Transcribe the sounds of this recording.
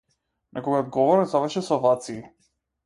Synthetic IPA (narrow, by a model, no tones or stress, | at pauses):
nʔakɔɡaɔd̪̚ɡɔvɔɾɛzavəɾʃɛsɔvat̪siː